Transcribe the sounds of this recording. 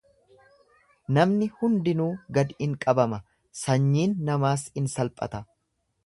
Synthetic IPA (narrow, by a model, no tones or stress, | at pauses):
nɐmnɪhʊnd̪ɪnuːɡɐd̪ɪŋkʼɐbɐmɐ | sɐɲːiːnːɐmaːsɪnsɐlpʼɐ̰t̪ɐ